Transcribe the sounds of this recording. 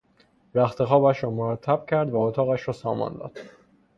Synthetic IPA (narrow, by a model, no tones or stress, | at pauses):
ɾæxt̪ʰe̞xɒːbæʃɾɒːmoɾæt̪ʰːæb̥̚cʰæɾd̪væot̪ʰɒːɣæʃɾɒːsɒːmɒ̰nd̪ɒ̰ːd̪̥